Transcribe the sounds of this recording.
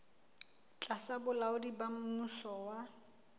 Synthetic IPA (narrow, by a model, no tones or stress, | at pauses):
t͡ɬʼasabʊlaʊdibamʊŋusɔwa